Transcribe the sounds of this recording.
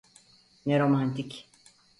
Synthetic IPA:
nɛɾomãnt̪ik

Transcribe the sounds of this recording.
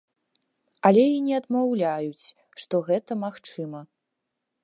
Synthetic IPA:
ɐlʲɛinʲɛɐd̪mawlʲajut͡sʲ | ʂt̪ɔɣɛt̪ɐmaxt͡ʂɨmɐ

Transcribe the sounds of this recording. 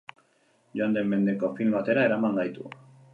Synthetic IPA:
joand̪e̞mːe̞nd̪e̞ko̞filmbat̪e̞ɾaeɾamaŋɡajt̪ṵ

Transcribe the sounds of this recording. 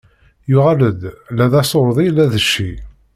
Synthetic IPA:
jʊʁaləd̪læðæsˤoɾˤðˤijlːæðəʃːi

